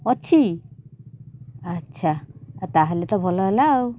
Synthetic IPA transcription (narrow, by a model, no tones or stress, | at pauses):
ɔtːʰi | ətːɕʰat̪aɦelet̪ɔbʱɔlɔɦelaw